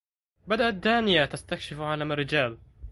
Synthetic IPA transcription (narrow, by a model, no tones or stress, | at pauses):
bad̪aʔat̪̚d̪aːnɪjat̪ast̪akʃɪfʕaːlamarːɪd͡ʒaːl